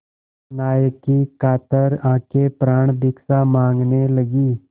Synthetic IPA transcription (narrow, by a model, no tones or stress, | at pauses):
naːjəkikaːt̪əɾãːkepɾaːɳ̃bʱɪksamãːŋɡneləɡiː